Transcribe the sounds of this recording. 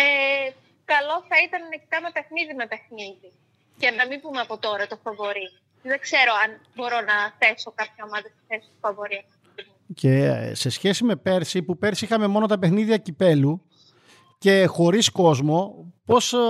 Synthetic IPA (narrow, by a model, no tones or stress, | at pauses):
e | kɐlo̞θɐit̪ɐninekt̪ɐme̞pe̞xniðime̞pe̞xniði | cenɐmibumeɐpo̞t̪o̞ɾɐt̪ofɐvo̞ɾi | ðeɡze̞ɾo̞ɐnbo̞ɾo̞nɐθe̞so̞kɐpçɐmɐðesɐθesot̪o̥fɐvo̞ɾiɐo | i | cese̞sçe̞sime̞pe̞ɾsipupe̞ɾsixɐme̞mo̞no̞t̪ɐpe̞xniðiɐcipe̞lu | ce̞xo̞ɾisko̞zmo̞po̞s